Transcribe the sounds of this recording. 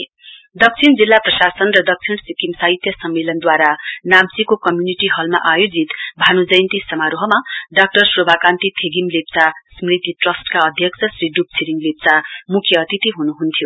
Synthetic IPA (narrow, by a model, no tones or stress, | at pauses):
d̪ʌk̚t͡sʰind͡zilːaprʌsasʌnrʌd̪ʌk̚t͡sʰinsikimsaɦit̪ʰjʌsʌmːelʌnd̪waɾanamt͡sikokʌmjuniʈiɦʌlma̰ʔajod͡zit̪bʱanud͡zʌjnt̪isʌmaɾoɦʌmaɖʌk̚ʈʌrsrobʱakant̪it̪ʰeɡimlep̚t͡sasmrit̪iʈrʌsʈkaʌd̪ʱjʌkt͡sʰʌsriɖup̚t͡sʰiɾiŋlep̚t͡samukʰjʌːt̪it̪iɦunuɦunt̪ʰjo